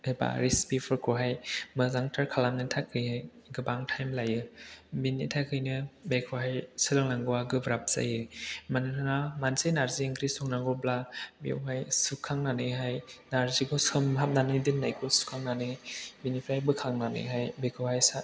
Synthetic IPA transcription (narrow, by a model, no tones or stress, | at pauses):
heba̰ɾispipʰɯɾkʰɔɦajmɯzaŋtʰaɾkʰalamnɯtʰakʰːɯjhaj | ɡɯbaŋtʰajmlajɯbinːitʰakʰɯjnɯbekʰɔɦajsɯlɯŋlaŋɡɯwaɡɯbɾap̚z̥a̰jɯmanɯɯnamansejnaɾzieŋkɾisɔŋnaɡɔblabiwɦajsukʰːaŋnanɯɦajnaɾzikʰɔsɯmɦap̚nanɯdɯnːajkʰɔsu̥kʰaŋnanɯbinipʰɾajbɯkʰaŋnanɯ̰ɦajbekʰɔhajsa